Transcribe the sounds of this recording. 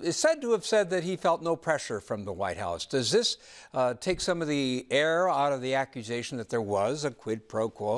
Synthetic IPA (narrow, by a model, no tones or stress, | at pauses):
ɨtsɛd̚təːv̥sɛd̪̚ðɨt̚hifɛlˠtⁿnoʊpʰɹ̥ɛʃə˞fɹʌ̃mðəwaɪt̚ha̰ʊsd̥ʌzðɪs | tʰeɪksʌ̃mʌvðiɛɹaʊɾʌvðiækjɨzeɪʃn̩ðɨt̪̚ðə˞wʌzɨkʰw̥ɪd̚pʰɹ̥oʊkʰɔ